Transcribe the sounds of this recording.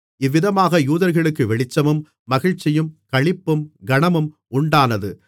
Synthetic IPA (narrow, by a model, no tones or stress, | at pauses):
ɪʋːɪðɐmaːɣɐjuːðɐɾɣɐɭɯkːɯʋɛɭɪt͡ʃːɐmɯmː | ɐɣɪɻt͡ʃːɪjɯmkɐɭɪpːɯmɡɐɳɐmɯm | ʔʊɳɖaːnɐðɯ